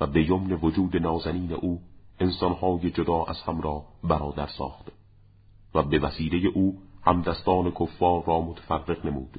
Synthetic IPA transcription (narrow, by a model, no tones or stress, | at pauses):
væbe̞jomne̞vod͡ʒuːd̪e̞nɒːzæniːnḛʔuːensɒnhɒːje̞d͡ʒod̪ɒːʔæ̰z̥hæmɾɒːbæɾɒːd̪æɾsɒ̰ːxt̪ | væbevæsiːle̞je̞ʔuːhæmd̪æst̪ɒːne̞kʰofːɒːɾːɒːmot̪ʰæ̥færːe̞ɣne̞muːd̪̥